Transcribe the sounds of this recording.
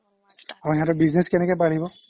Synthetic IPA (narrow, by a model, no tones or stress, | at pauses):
aiɦãtʊbiznɛskɛnɛkɔjpaɽibɔ